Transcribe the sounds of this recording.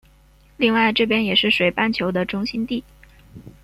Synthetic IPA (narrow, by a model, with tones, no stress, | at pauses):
li˥˧ŋwa˥˧ɪʈ͡ʂɤ˥˩pjɛ˥njɛ˨˩ʂɻ̩˥˩ʂwe˨˩ɪpa˥˩nt͡ɕʰjo˧˥ʊd̪ə˧ʈ͡ʂʊ˥ŋɕi˥nt̪i˥˩